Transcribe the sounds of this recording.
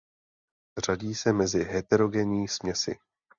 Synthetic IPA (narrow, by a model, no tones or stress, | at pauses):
r̝̥aɟiːsɛmɛzɪɦɛt̪ɛɾo̞ɡɛnɪiːsmɲɛsɪ̰